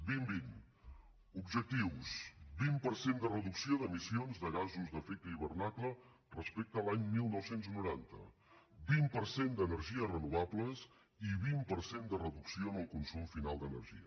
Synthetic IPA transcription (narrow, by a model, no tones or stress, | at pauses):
bimbin | ubʒək̚t̪iwsbimpəɾsend̪ərəðuksioðəmisionzðəɣazuzðəfet̪əiβ̞ərnaklə | rəspek̚t̪əlaɲmilˠnɔwsenznuɾant̪ə̰ | bimpəɾsend̪ənəɾʒiərənuβabləs | iβimpəɾsend̪ərəðuksioənəlˠkunsumfinalˠd̪ənə̰ɾʒḭə̰